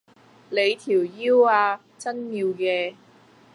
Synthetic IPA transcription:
le˨˧jt̪ʰiː˨˩wjiː˥waː˧ | t͡sɐ˥njiː˧wkɛː˧

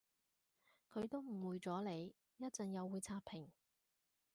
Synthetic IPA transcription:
kʰɵ˨˧ɥt̪o˥wm̩˨˩wuː˨jt͡sɔː˨˥le˨˧j | jɐ˥t̚t͡sɐ˨ŋjɐ˨˧wːuː˨˧jt͡sʰaː˧t̚pʰɪ˨˩ŋ

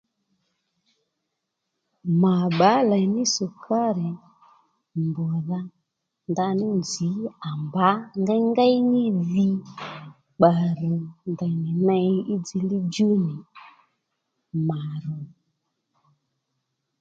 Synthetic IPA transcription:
ma˨ɓa˨˦la˨nɪ˦sʊ˨kʰa˦ɾɪ˨ | mbɔ˨ða˧ | nda˧nɪ˦nd͡zi˨˦a˨mba˨˦ŋɡa˦ŋɡa˦jnɪ˦ði˧ | k͡pa˨ɾʊ˨nda˨nɪ˨nɛ˧˦ɪ˦d͡zi˧˦li˦d͡ʒu˦nɪ˨ | ma˨ɾʊ˨

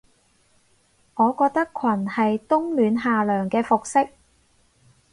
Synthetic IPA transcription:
ŋɔː˨˧kɔː˧k̚t̪ɐ˥kʷʰɐ˨˩nhɐ˨jt̪ʊ˥ŋlyː˨˧nɦaː˨lœː˨˩ŋkɛː˧fʊ˨k̚sɪ˥k̚

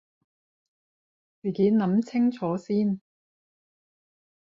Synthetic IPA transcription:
t͡syː˨˩keː˨˥nɐ˨˧˥mt͡sʰɪ˥ŋt͡sʰɔː˨˥siː˥n

